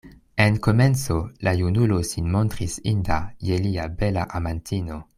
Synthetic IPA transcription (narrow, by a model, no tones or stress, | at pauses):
enko̞ment͡so̞lajunulo̞sinmo̞ntɾisindajeliabelaʔamantʰino̞